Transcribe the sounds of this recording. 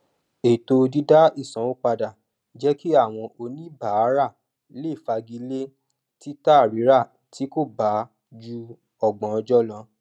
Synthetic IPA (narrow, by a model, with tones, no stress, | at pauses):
e˨to˧di˦da˦i˦˨sã˨wo˦k͡pa˧da˨ | d͡ʒɛ˦ki˦a˦˨w̃ɔ̃˧ʔo˧nĩ˦ba˨˦˨ɾa˦˨ | le˦˨fa˧ɡi˧˦le˦ | ti˦ta˦˨ɾi˨˦ɾa˦˨ | ti˨˦ko˦˨ba˨˦ | d͡ʒu˧ | ɔ˨ɡ͡bɔ̃˨ɔ˧d͡ʒɔ˦lã˧